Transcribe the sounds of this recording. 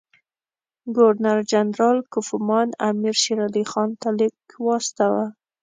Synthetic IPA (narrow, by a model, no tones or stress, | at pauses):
ɡoɾnaɾd͡ʒanɾɑlkʊfʊmɑnamiɾʃiɾalixɑnt̪ɑlɪb̚kwɑst̪awa